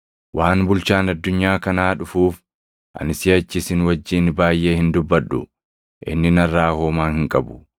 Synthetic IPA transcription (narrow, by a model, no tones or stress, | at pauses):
wʔaːnbʊlt͡ʃaːnɐd̪ːʊɲːaːkɐnaːᶑʊfuːf | ʔɐ̰nɪsɪɐt͡ʃːɪsɪnwɐd͡ʒːiːnbaːjːʔe̞ːhɪnd̪ʊbːɐᶑʊ̰ | ʔɪ̰nːɪnɐrːaːhoːmaːnhɪŋkʼɐbʊ̥